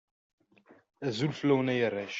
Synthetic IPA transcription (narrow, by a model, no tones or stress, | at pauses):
æzulfəlːæwənæjərˤːæʃ